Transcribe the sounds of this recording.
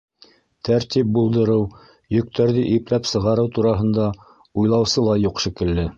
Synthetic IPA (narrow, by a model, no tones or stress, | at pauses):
t̪ʰæɾt̪ip̚bulˠd̪ɤ̆ɾɤw | jɵ̆k̚t̪æɾðɘʔiplæpsɤ̆ʁɑɾɤwt̪uɾɑɦɤ̆nd̪ɑ | ujlˠɑwsɤlˠɑjuqʃĭkɘ̆lːɘ